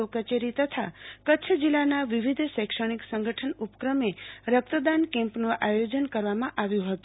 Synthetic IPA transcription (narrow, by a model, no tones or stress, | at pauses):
okət͡ʃeɾit̪ət̪ʰakətːt͡ʃʰəd͡ʒilːanaʋiʋid̪ʱsɛkʃəɽ̃iksə̃ŋɡəʈʰənupə̥kɾəmeɾək̚t̪əd̪ankɛ̃mpnũʔajod͡ʒənkəɾʋamãʔaʋjũɦət̪u